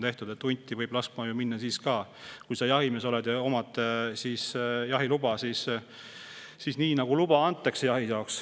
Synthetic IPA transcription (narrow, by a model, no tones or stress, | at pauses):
t̪e̞ht̪ud̪̥e̞t̪ːunʲt̪ʲːivɤjb̥lɑskmɑjuminːɑsiːskɑːkujsɑjɑɦimeso̞led̪̥jɑo̞mɑt̪ːˑsiːsjɑɦilub̥ɑsiːs | iːsniːnɑɡ̥ulub̥ɑɑnt̪ˑːɑksejɑɦijɑoks